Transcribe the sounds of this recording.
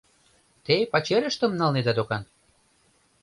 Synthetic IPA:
t̪epɑt͡ɕeɾʲə̆ʃt̪ə̆mnɑlned̪ɑd̪okɑn

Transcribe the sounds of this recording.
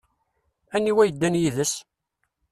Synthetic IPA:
ænːiwæjəd̪ːænjiðəs

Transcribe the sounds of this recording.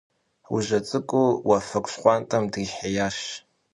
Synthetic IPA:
wṵʒɐt͡sʼɨkʷʼuwafɐkʷʼɕqʷɑntʼɐmdɨħajaːʃ

